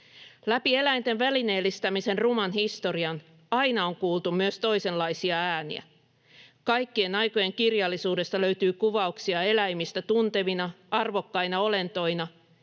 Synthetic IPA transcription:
læpie̞læjnt̪e̞nʋæline̞ːlːist̪æmise̞nrumɑnhist̪o̞ɾiɑn | ɑjnɑo̞ŋkuːlt̪ummyøst̪o̞jse̞lːɑjsiɑæːnḭæ̰ | kɑjkːie̞nɑjko̞je̞ŋkirjɑlːisuːde̞st̪ɑløɥt̪yːkuʋɑuksiɑe̞læjmist̪æt̪unt̪e̞ʋinɑ | ɑrʋo̞kːɑjnɑo̞le̞nt̪o̞inɑ

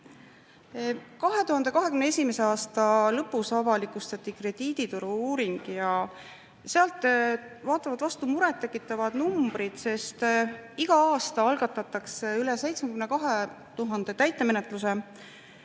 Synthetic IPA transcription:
kɑɦe̞t̪uhɑnd̪e̞kɑɦe̞kymneesʲimese̞ɑːst̪ɑlɤpːˑusɑvɑlikust̪ɑt̪ːˑikre̞d̪̥iːd̪̥it̪uɾuuːɾiŋɡ̥jɑ | seɑlt̪ˑvɑːt̪ːˑɑvɑd̪vɑst̪umuɾɛt̪ːe̞kːˑit̪ːˑɑvɑd̪̥numb̥ɾid̪̥se̞st̪iɡ̥ɑɑːst̪ɑɑlɡ̥ɑt̪ːˑɑt̪ːˑɑkseylese̞jt̪smekymne̞kɑɦe̞ | t̪uɦɑnd̪̥e̞t̪æjt̪ːˑe̞me̞net̪ˑluse̞

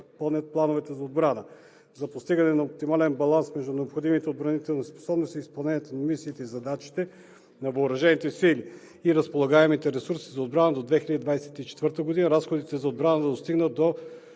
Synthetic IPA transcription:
pɐlˠnʲət̪̚plˠanovɛt̪ɛzɐod̪̚bɾanə | zɐpost̪iɡɐnɛnɐop̚t̪imalɛnbɐlˠansmɛʒd̪unɛopxod̪imit̪ɛod̪bɾɐnit̪ɛlˠnɐspo̥sɔbnost̪iːspɐlˠnɛnʲijɛt̪onɐmisiːt̪ɛizɐd̪at͡ʃi̥t̪ɛ | nɐvɐoɾɐʒɛnit̪ɛsili | iɾəspolˠɐɡaɛmit̪ɛɾɛsuɾsizɐod̪bɾanəd̪od̪vɛxiləd̪id̪vajsɛt̪it͡ʃɛ̥t̪vəɾt̪əɡod̪inəɾasxod̪it̪ɛzɐod̪bɾanəd̪ɐd̪ost̪iɡnət̪̚d̪o

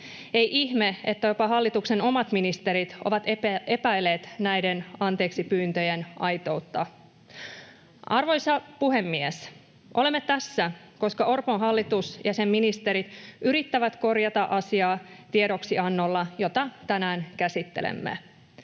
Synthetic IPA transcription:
e̞jʔiçme̞ḛt̪ːæjo̞pɑɦɑlːit̪ukse̞no̞mɑt̪minist̪e̞ɾit̪o̞̰ʋɑt̪e̞pæjleːt̪næjdenɑnt̪e̞ːksipyːnt̪øjenʔɑjt̪o̞ut̪ːɑ | ʔɑrʋo̞jsɑpuɦe̞mːies | ʔo̞le̞mːet̪æsːæ | ko̞skɑʔo̞rpo̞nɦɑlːit̪usjɑsemːinist̪e̞ɾit̪yɾit̪ːæʋæt̪ko̞rjɑt̪ɑʔɑsiɑːt̪ieɾo̞ksiɑnːo̞lːɑjo̞t̪ɑt̪ænæːnkæsit̪ːe̞̰lḛmːḛ

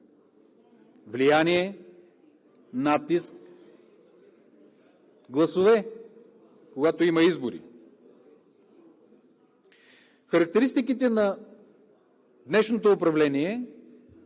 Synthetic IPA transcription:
vlijaniɛ | nat̪isk | ɡlˠɐsovɛ | koɡat̪oimɐizboɾḭ | xɐɾɐk̚t̪ɛɾist̪ik̬it̪ɛnɐ | d̪nɛʃnot̪oːpɾɐvlɛniɛ

